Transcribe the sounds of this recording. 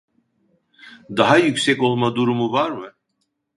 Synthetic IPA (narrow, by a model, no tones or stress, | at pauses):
d̪aɦajycsɛco̞lˠmad̪uɾumuvaɾmɯ